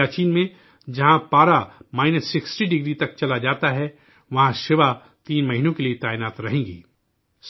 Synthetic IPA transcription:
aːt͡ʃiːnmẽ | d͡ʒɐɦãbaːɾamaːɪnəsːɪksʈiɖɪɡɾit̪ɐk̚t͡ʃɐlad͡ʒaːt̪aɦɛ | ʋɐɦãʃɪʋa | t̪iːnmɐɦinõkeliet̪aːɪnaːt̪ɾɐɦẽːŋɡiː | s

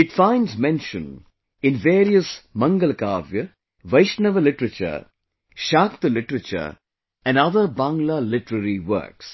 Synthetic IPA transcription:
ɪʈfãɪ̃nɖzmɛ̃nʃə̃n | ɪ̃nʋeːɾiəsmɐ̃ŋɡəlkaːʋjə | ʋɐɪʃnəʋəlɪʈəɾət͡ʃə̰ɾ | ʃaːkt̪əlɪʈɾət͡ʃə̰ɾ | ɛ̃nɖɐðəɾbãŋɡlalɪʈəɾəɾiʋə̰ːks

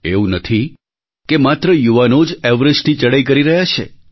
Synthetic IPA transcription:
eũnət̪ʰi | kemat̪ɾəjuʋanod͡ʒɛʋɾəd͡ʒʈ̪ʰid͡ʒəɽajk̬əɾiɾəɦjat͡ʃʰḛ

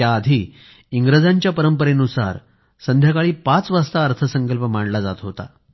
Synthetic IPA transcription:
jaːd̪ʱiː | iŋɡɾəd͡zaɲt͡ɕjapəɾəmpəɾenusa̰ɾ | sənd̪ʱjakaɭiːpat͡sʋast̪aəɾt̪ʰəsəŋkəlpəmaɳlad͡zat̪ɦot̪a̰

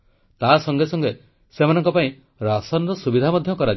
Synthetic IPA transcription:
t̪asɔŋɡesɔŋɡe | semanɔŋkɔpaĩ | ɾasɔnɾɔsubid̪ʱamɔd̪ʱjɔkɔɾa

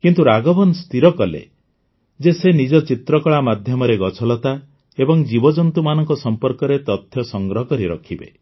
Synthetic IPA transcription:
kint̪uɾaɡɔbɔnɔst̪iɾɔkɔlḛ | d͡ʒesenid͡ʒɔt͡ʃit̪ɾɔkɔɭamad̪ʱjɔmɔɾeɡɔt͡ʃʰɔlɔt̪a | ebɔŋd͡ʒibɔd͡ʒɔnt̪umanɔŋkɔsɔmpɔɾkɔɾet̪ɔt̪ʰjɔsɔŋɡɾɔɦɔkɔɾiɾɔ̰kʰibḛ

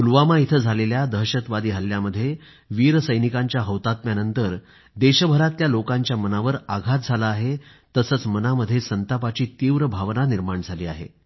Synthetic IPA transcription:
ulʋamait̪ʰəd͡zʱaleljad̪əɦɕət̪ʋad̪iːɦəlːjaməd̪ʱːje | ʋiːɾəsəjnikãɲt͡ɕjaɦəwt̪at̪̚mjanənt̪əɾ | d̪eɕəbʱəɾat̪ljalokãɲt͡ɕjamənaʋəɾaɡʱat̪̚d͡zʱalaːɦe | t̪əsət͡smənaməd̪ʱːjesənt̪apat͡ɕiːt̪iːʋɾəbʱaʋnaniɾmaɳd͡zʱaliːaɦḛ

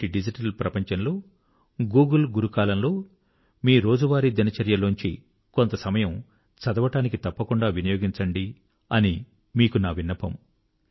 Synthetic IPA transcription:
iɖid͡ʒiʈɐlpɾɐpɐɲt͡ʃɐnlo̞ː | ɡuːɡɐlɡuɾukaːlɐmlo̞ː | miːɾo̞ːd͡ʒuʋaːɾid̪inɐt͡ʃɐɾjɐloːɲt͡ʃḭ | kont̪ɐsɐmɐjɐm | t͡ʃɐd̪ɐʋɐʈaːnikit̪ɐpːɐkuɳɖaːʋinɐjoːɡiɲt͡ʃɐɳɖi | ɐni | miːkunaːʋinːɐpɐ̰m

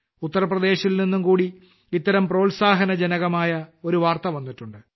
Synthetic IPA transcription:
ut̪ːɐɾɐprɐd̪e̞ːɕilninːumkuːɽi | it̪ːɐɾɐmpro̞ːlsaːɦɐnɐd͡ʑɐnɐɣɐmaːjɐo̞ɾuʋaːrt̪ɐʋɐnːiʈːuɳɖɨ

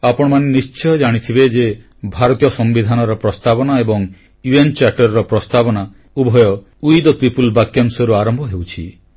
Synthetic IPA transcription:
apɔɽ̃ɔmanenist͡ʃɔjɔd͡ʒaɽ̃it̪ʰibed͡ʒe | bʱaɾɔt̪ijɔsɔmbid̪ʱanɔɾɔpɾɔst̪abɔnaebɔŋ | juent͡ʃaʈɔɾɔɾɔpɾɔst̪abɔna | ubʱɔjɔ | ujd̪ɔpipulbakjamsɔɾuaɾɔmbʱɔɦewt͡ʃʰi

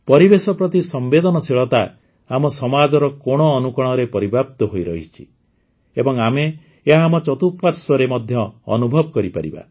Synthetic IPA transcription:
pɔɾibesɔpɾɔt̪isɔmbed̪ɔnɔsiɭɔt̪a | amɔsɔmad͡ʒɔɾɔkoɽ̃ɔːnukɔɽ̃ɔɾepɔɾibʱap̚t̪ɔɦojɾɔɦit͡ʃʰi̥̰ | ebɔŋame | eɦamɔt͡ʃɔt̪ut̚paɾsɔɾemɔd̪ʱjɔ̰ːnubʱɔbɔkɔɾipa̰ɾiba̰

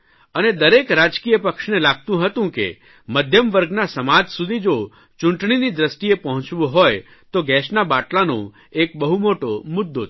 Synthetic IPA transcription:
əned̪əɾekɾad͡ʒkijəpəkʃnelaɡ̚t̪ũɦət̪ũkḛ | məd̪ʱjəmʋəɾɡnasəmad͡ʒsud̪ʱid͡ʒo | t͡ʃʊ̃ɳʈɳ̃inid̪ɾəst̪iepəɦɔ̃t͡ʃʋũɦoj | t̪oɡɛʃnabaʈlanõ̰ | ek̚bəɦumoʈomʊd̪ːo

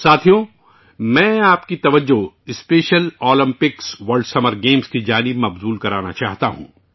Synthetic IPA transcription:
saːt̪ʰijõ | mɛ̃ːaːpkit̪ɐʋəd͡ʒːo | ɪspeːʃəloːlɐ̃mpɪksʋɐɾɖsɐməɾɡeːmskid͡ʒaːnɪbmɐbzuːlkɐɾaːna̰t͡ʃaːɦt̪aɦṵ̃ː

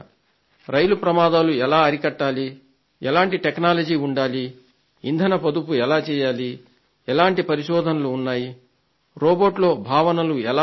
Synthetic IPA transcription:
ɾɐjlupɾɐmaːd̪aːluɛlaːɐɾikɐʈːaːli | ɛlaːɳʈiʈeknaːlɐd͡ʒiːuɳɖaːli | ind̪ʱɐnɐpɐd̪upuɛlaːt͡ʃɛːjaːli | ɛlaːɳʈipɐɾiʃɔːd̪ʱɐnɐluːnːaːji | ɾoːboːʈlo̞ːbʱaːʋɐnɐluɛlaː

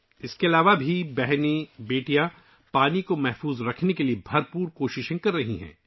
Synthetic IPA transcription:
ɪskeɐlaːʋabʱibɛɦnebeːʈijã | paːnikomɛɦfuːzɾɐkʰnekeliebʱɐɾpuːɾkoːʃɪʃẽkɐɾːɐɦiɦɛ̰̃ː

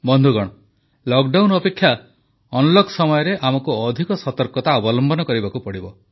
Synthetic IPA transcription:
bɔnd̪ʱuɡɔɽ̃ɔ | lɔkɖawnɔpekʰːja | ɔnɔlɔkʰsɔmɔjɔɾeʔamɔkuɔd̪ʱikɔsɔt̪ɔɾkɔt̪aɔbɔlɔmbɔnɔkɔɾibakupɔɽibɔ

